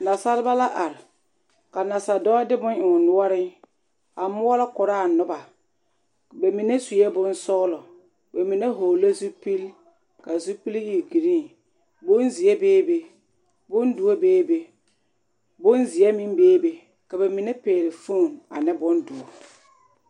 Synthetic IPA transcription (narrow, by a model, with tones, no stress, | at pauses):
na˨sa˦lɪ˦ba˦la˦ʔa˨ɾɪ˨ | ka˨na˨sa˨dɔ˦a˦dɪ˦bʊ˦nʔɪ˨nʊ˦ɔ˦ɾɪ˦ | a˨mʊ˦ɔ˦la˦kʊ˨ɾaː˦˨nʊ˦ba˨ | be˨mi˨ne˦su˨jɛ˦bʊ˦nsɔ˦ɣlɔ˨ | be˨mi˨ne˦ɦo˨lo˦zu˦pi˦l | ka˨zu˦pi˦li˦˨ɡi˨ɾi˦ŋ | bʊ˦nzi˨ɛ˦beː˦be˨ | bʊ˦ndu˨o˦beː˦be˨ | bʊ˦nzɪ˨ɛ˦mi˦m˦beː˦be˨ | ka˨be˨mɪ˨ne˦peː˨lɪ˨fu˦˨na̰˨nɪ˦bʊ˦ndu˨o˨